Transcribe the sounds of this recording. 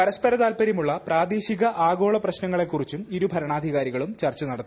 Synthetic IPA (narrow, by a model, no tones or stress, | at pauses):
pɐɾɐspɐɾɐðaːlpɐɾjimuɭːɐpraːd̪eːɕiɣɐʔaːɡo̞ːɭɐprɐɕnɐŋːɐɭe̞kːurit͡ɕːumiɾubʱɐɾɐɳaːd̪ʱiɣaːɾiɣɐɭumt͡ɕɐrt͡ɕːɐnɐɽɐt̪ː